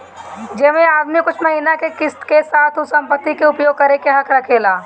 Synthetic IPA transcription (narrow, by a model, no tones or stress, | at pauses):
d͡ʒeːmẽaːd̪mikʊt͡ʃʰmɐɦiːnakekɪst̪kesaːt̪ʰʊsɐ̃mpət̪ːikeʊpjoːɡ̚kɐɾekeɦɐkɾɐkʰeːlaː